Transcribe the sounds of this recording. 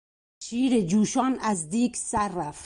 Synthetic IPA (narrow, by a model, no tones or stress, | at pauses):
t͡ʃiːɾed͡ʒuːʃɒːnæzd̪iːksæɾːæft̪